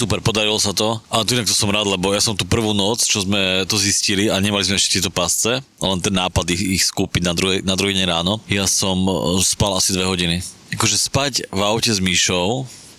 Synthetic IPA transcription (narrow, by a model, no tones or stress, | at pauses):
supɛɾpɔd̪aɾilɔsat̪ɔʔaɛt̪ɔinakt̪ɔsɔmɾaːd̪lɛbɔjasɔmt̪uːpr̩ʋuːnɔt͡st͡ʃɔzmɛt̪ɔzisciliaɲɛmalizmɛɛʃcɛ̥t̪ɛt̪ɔpast͡sɛ | lɛnt̪ɛnːaːpad̪iixskuːpiɟnad̪ɾuɦɛnad̪ɾuɦiɲɛɾaːnɔjasɔmspalasid̪ʋɛɦɔɟini | akɔʒɛspaɟvaʊcɛzmiʃɔʊ